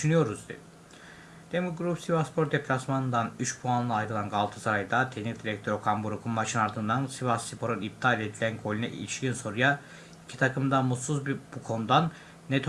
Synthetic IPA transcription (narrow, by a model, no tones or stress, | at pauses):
yʃynyjo̞ɾuzd̪ḭ | d̪̥emulɡɾupsivaspʰo̞ɾd̪epʰlʲasmanɯnd̪anyt͡ʃpʰuanlˠaːjɾɯlˠanɡalˠt̪ʰɯ̥saɾajd̪at̪ʰenizd̪iɾɛc̚t̪ʰø̞ɾo̞kʰambuɾukʰunmat͡ʃʰɯnaɾd̪ɯnd̪ansivasipʰo̞ɾonip̚t̪ʰalʲed̪ilʲænɡolʲinɛ̰ʔḭt͡ʃʰiɟynso̞ɾuja | i̥cʰi̥t̪ʰakɯmd̪amut̪suzbbukʰo̞nud̪anː | ɛt̪ʰ